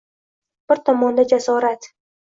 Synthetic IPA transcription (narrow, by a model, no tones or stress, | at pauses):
b̥ɪɾt̪ʰɒmɒnd̪ad͡ʒasɒɾat̪